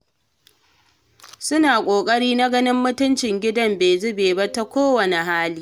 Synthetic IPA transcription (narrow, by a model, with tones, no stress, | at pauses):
sʊ˦naː˨kʷʼoː˨kʼɐ˦ɽiː˦na˦ɡɐ˦nɪ˦mːʊ˦tʊ˦nt͡ʃɪ˨ŋɡʲɪ˦dɐ˦mbeː˨zʊ˦beː˨ba˦ta˦kʷoː˦wɐ˨ne˨ɦaː˦liː˦